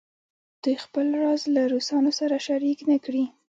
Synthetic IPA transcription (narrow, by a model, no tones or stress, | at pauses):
d̪̥ujxpəlɾɑzlaɾusɑnosaɾaʃaɾiknəkɽi